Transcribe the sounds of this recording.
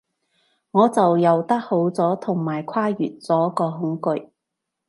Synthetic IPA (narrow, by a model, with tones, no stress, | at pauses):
ŋɔː˨˧t͡sɐ˨wjɐ˨wt̪ɐ˥k̚ho˨˥wt͡sɔː˨˥t̪ʰʊ˨˩ŋmaː˨˩jkʷʰwaː˥jy̰ː˨˩n̚t͡sɔː˨˥kɔː˧ɦʊ˨˥ŋkɵ˨˧ɥ